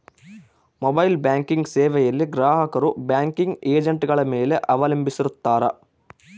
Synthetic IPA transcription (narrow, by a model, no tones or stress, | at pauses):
mobɐjlbjaːŋkiŋɡseːʋɛjɐlːiɡɾaːɦɐkɐɾubjaːŋkiŋɡeːd͡ʒɐɳʈɡɐɭɐmeːleʔɐʋɐlɐmbisiɾut̪ːaːɾɐ̰